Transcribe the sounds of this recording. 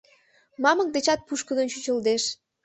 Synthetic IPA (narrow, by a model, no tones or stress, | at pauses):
mɑmək̚d̪et͡ɕɑt̪̚puʃkəd̪ənt͡ɕyt͡ɕə̆ld̪eʃ